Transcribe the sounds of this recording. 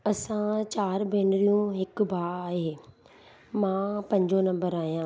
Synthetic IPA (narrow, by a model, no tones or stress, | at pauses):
ɐsãt͡ɕaːɾbeːnɾijũɦɪkbʱaːaːɦeː | mãːpɐ̃ɲd͡ʑonɐ̃mbəɾaːɦijãː